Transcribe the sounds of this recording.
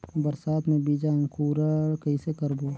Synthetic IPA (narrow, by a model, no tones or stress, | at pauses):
bəɾsaːt̪mẽbiːd͡ʒãŋkʰuːɾəkɐisekəɾboː